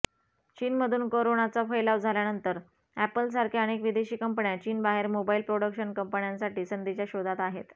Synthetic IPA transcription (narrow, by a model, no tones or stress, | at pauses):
t͡ɕiːnməd̪ʱuːnkoɾonat͡safəjlaʋd͡zʱaljanənt̪əɾ | æpəlsaɾkʰiañekʋid̪eɕiːkəmpɳjat͡ɕiːnbaɦeɾmobailpɾoɽəkɕənkəmpəɳjãnsaʈiːsənd̪ʱit͡ɕjaɕod̪ʱat̪aɦet̪